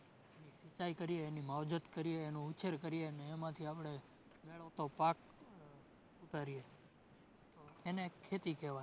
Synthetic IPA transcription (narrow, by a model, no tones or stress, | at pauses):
enisit͡ʃaikəɾieːnimawd͡ʒət̪kəɾijeːnũut͡ʃʰeɾkəɾieəneːmãt̪ʰiapɽ̃e | meɭəʋt̪opak̚ | ut̪aɾie | t̪oenekʰːet̪ikeʋa